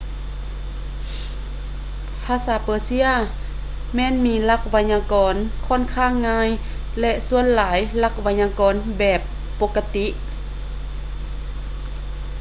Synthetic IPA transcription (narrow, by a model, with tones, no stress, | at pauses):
pʰaː˧˥saː˨˦pɤː˧˦si˧˥ə | mɛː˧˥˨nmiː˧˥la˧k̚ʋa˧ɲaː˧kɔː˨˦nkʰɔː˧˥˨nkʰaː˧˥˨ŋːaː˧˥j | lɛ˧ʔsu˧˨ənlaː˨˦jla˧˩k̚ʋa˧ɲaː˧kɔː˨nbɛː˨˩pː | o˧˥kːa˧t̪i˧˥ʔ